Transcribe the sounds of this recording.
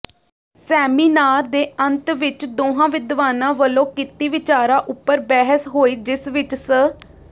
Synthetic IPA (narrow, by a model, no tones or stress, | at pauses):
sɛːmiːnaːɾd̪eːənt̪ʋɪt͡ʃd̪oːɦãːʋɪd̪ʋaːnãːʋəlõːkɪt̪iːʋɪt͡ʃaːɾãːʔʊpːəɾbɛːɦəsɦoːiːd͡ʒɪsʋɪt͡ʃsə